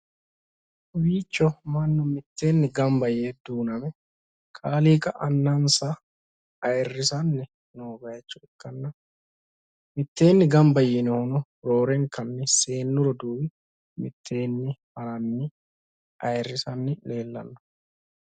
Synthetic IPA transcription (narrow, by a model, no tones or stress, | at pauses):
wiːt͡ʃːɔmɐnːɔmɪt̪ːe̞ːnːɪɡɐmbɐjeːd̪uːnɐmɛ | kʼaːliːkʼɐʔɐnːɐnsɐ | ɐjɛrːɪsɐnːɛ | noːbɐjɛt͡ʃːʊɪkːɐnːɐ | mɪt̪ːe̞ːnːɪɡɐmbɐjɛnɛhʊnɔ | ɾo̞ːɾɛŋkɐnːɛse̞ːnːʊɾɔd̪uːwɪ | mɪt̪ʰːe̞ːnːɪhɐɾɐnːɪ | ɐjɛrːɪsɐnːɪle̞ːlːɐ̰nːɔ̥